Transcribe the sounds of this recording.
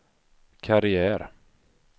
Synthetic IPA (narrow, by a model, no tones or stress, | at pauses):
kʰaɾɪæːɾ